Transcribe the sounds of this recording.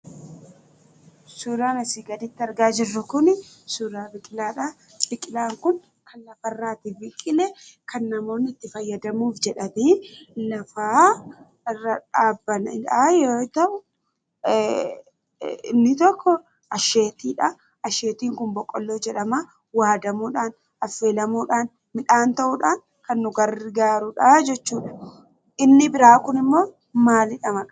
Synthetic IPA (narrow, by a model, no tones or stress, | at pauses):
suːɾaːnɐsiːɡɐd̪ɪt̪ːɪɐɾɡaːd͡ʒɪrːʊkʊnɪsuːɾaːbɪkʼɪlaːᶑɐ | b̥ɪkʼɪlaːŋkʊn | kʰɐnlɐfɐɪrːaːt̪ɪbɪkʼːɪlɛkʰɐnːɐmo̞ːnːɪt̪ːɪfɐjːɐd̪ɐmuːfd͡ʒɛᶑɐmɪlɐfaː | ɪrːɐᶑaːbːɐnɪ̰aːjoːt̪ɐʔʊ | ɪ̰nːɪt̪ɔkʰːɔ | ʔɐʃeːt̪iːᶑɐ | ɐʃe̞ːt̪iːŋkʊmbɔkʼːɔlːoːd͡ʒɛᶑɐma | waːd̪ɐmuːᶑaːn | ɐfːe̞ːlɐmuːᶑaːn | mɪᶑaːnt̪ɐʔʊᶑaːn | kɐnːʊɡɐɾɪɡaːɾʊᶑɐd͡ʒɛt͡ʃːuːᶑɐ̥ | ʔɪnːɪbɪɾaːkʊnɪmːo̞ː | maːlɪᶑɐmɐkʼɐ